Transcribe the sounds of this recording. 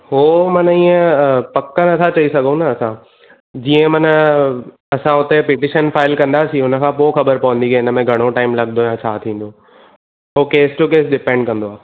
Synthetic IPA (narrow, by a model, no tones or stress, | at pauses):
ɦoːmɐnəiːə̃pɐkənɐt̪ʰat͡ɕɐisɐɡʱõnɐːsã | d͡ʑiːə̃mɐnə | ɐsãʊt̪epɪʈɪʃənfaːɪlkɐ̃nd̪asĩʊnə̆kʰãːpoxɐbəɾpɐʋə̃nd̪ikeɪnə̆mẽɡʱɐɽ̃oʈaːɪmlɐɠnd̪ojãt͡ɕʰaːt̪ʰĩːn̆d̪oː | ɦokeːsʈukeːsɖɪpẽɳɖkɐ̃nd̪oaː